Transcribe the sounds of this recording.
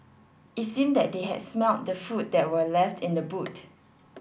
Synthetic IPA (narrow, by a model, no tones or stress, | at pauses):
itsĩmdɛt̚deɦɛ̰dsmɛlt̚dəfut̚dɛt̚wəlɛftɪ̃ndəbut